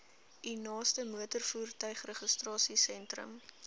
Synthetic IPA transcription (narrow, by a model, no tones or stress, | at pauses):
inɑːstəmuətərfuːrtœɥχrəχəstrɑːsisɛntrə̰m